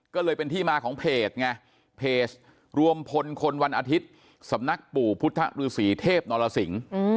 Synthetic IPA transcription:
kɔː˥˩lɤː˧jpe˧nt̪ʰiː˥˩maː˧kʰɔː˩˦ŋpʰeː˨˩t̪̚ŋa˧ | pʰeː˨˩s | ɾu˧əmpʰo˧nkʰo˧nwa˧nʔa˧t̪ʰi˦˥t̪̚ | sa˩˦mna˦˥k̚puː˨˩pʰu˦˥t̪ʰːa̰˦˥ʔɾɯː˧siː˩˦t̪ʰeː˥˩p̚nɔː˧la˧si˩˦ŋ

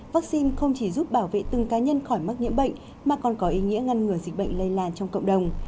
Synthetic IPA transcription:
vaː˦˥k̚si˧nxə˧wŋ͡mt͡ɕi˧˩zu˦˥p̚ɓaː˧˩wvḛ˧˨t̪ɨ˨˩ŋkaː˨˦ɲə˧nxɔ˧˩jm˦˥k̚ɲḭ˧˥əmɓə̰˧˨jŋ̟ | maː˨˩kɔ˨˩nkɔ˨˦ʔi˨˦ŋḭ˧˥əŋa˧nŋɨ˨˩əjzi˨˩k̚ɓə̰˧˨jŋ̟lə˧jlaː˧˩nt͡ɕɔ˧ŋ͡mkə̰˧˨wŋ͡mɗə˨˩wŋ͡m

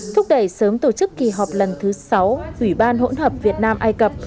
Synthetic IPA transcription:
t̪ʰʊ˦˥k͡p̚ɗə˧˩jsəː˨˦mt̪o˧˩t͡ɕɨ˦˥kːi˨˩ɦɔ˨˩p̚lə˨˩nt̪ʰɨ˨˦sa˨˦wʔwi˧˩ɓaː˧nɦo̰˧˥nɦəː˨˩p̚vi˨˩ət̚naː˧mʔaː˧jkə˨˩p̚

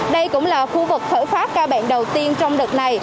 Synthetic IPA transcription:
ɗə˧jkʊ̰˧˥ŋ͡mlaː˨˩xu˧vɨ˨˩k̚t̪ʰə̰ː˧˩jfaː˦˥t̚kaː˧wɓa̰ː˧˨nɗə˨˩wt̪i˧ənt͡ɕɔ˧wŋ͡mɗɨ˨˩k̚na˨˩j

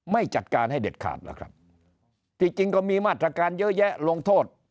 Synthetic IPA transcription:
ma˥˩jt͡ɕa˨˩t̪̚kaː˧nɦa˥˩jde˨˩t̪̚kʰa̰ː˨˩t̪̚la̰˦˥˩kʰɾa˦˥p̚ | t͡ɕ̪i˧˥˩t͡ɕi˧ŋkɔ˥˩miː˧maː˥˩t̪ːɾaː˧kaː˧njɤ˦˥jɛ˦˥ʔlo˧ŋt̪ʰoː˥˩t̪̚

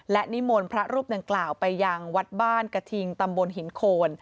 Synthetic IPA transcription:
lɛ˦˥ʔni˦˥mo˧npʰɾa˦˥ɾuː˥˩p̚da˧ŋklaː˨˩wpa˧jːa˧ŋwa˦˥t̪̚baː˥˩nka˧t̪ʰi˧ŋt̪a˧mbo˧nɦi˩˦nkʰoː˧n

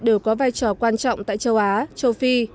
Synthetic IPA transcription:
ɗɨ˨˧˩wkɔ˨˦vaː˧jt͡ɕɔ˧˩kwaː˧nt͡ɕɔ̰˧˨wŋ͡mt̪a̰ː˧˨jt͡ɕə˧wʔaː˨˦t͡ɕə˧wfi˧

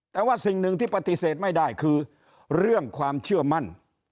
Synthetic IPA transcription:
t̪ɛː˨˧waː˥˩si˨ŋnɯ˧ŋt̪ʰiː˥˩pa˧t̪i˧seː˨˩t̪̚ma˥˩jdaː˥˩jkʰɯː˧ | ɾɯ˥˩əŋkʰwaː˧mt͡ɕʰɯ˥˩ɐma˥˩n

